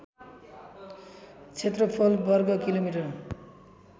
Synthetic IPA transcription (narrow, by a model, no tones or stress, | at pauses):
t͡sʰet̪rʌpʰʌlbʌrɡʌkilomiʈʌr